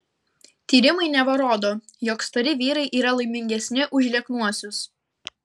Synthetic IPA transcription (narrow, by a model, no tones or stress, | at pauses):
t̪ʲiːɾʲɪmɐɪnʲɛʋɐɾoːd̪oːjoːkst̪ɐɾʲɪʋʲiːɾɐɪʔiːɾɐlˠɐɪmʲɪŋʲɡʲɛsʲnʲɪʔʊʒʲlʲiɛknuɔsʲʊs